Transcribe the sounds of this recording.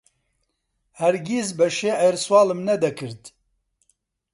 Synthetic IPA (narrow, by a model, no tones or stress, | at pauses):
hɛɾɡʲizbɛʃeːʔɛɾswɑːlɨmnɛd̪ɛkʰɨɾd̪